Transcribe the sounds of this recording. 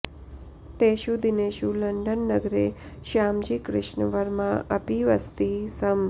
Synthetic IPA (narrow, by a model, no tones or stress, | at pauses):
t̪eʃud̪ineʃuləɳɖənːəɡɾe | ʃamd͡ʒikɾɪ̰ʃɳəʋəɾmãʔəpiʋəst̪isəm